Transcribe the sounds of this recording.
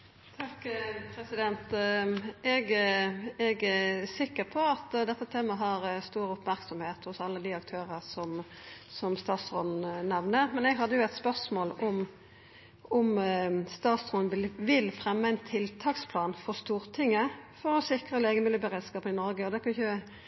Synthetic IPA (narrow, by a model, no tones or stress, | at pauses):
t̪ʰɑkːpʰɾɛsɪd̪ɛnt̪ | ɛɡ | ɛɡsɪkːəɾpʰɔɑt̪d̪ɛt̪ːət̪ʰeːmɑɦɑɾst̪uːɾʊpmæʁksɔmheːt̪hʊsɑlːəd̪ɪɑk̚t̪ʰøːʁəsɔm | sɔmst̪ɑːt̪sʁɔnn̩nɛʋnəʁmɛnɛɡɦɑd̪ːəjʊæɪt̪spœʁsmoːlɔm | ʊmst̪ɑːt̪sʁɔnʋɪlfʁɛmːəæɪnt̪ʰɪlt̪ʰɑːkspʰlɑːnfɔʁst̪uːɾt̪ʰɪŋːəfɔɾɔsɪkʁəleːɡəmɪlːəbəɾeːd̪skɑːp̪ɪnɔɾɡəɔd̪ɛkʰɑnɪçə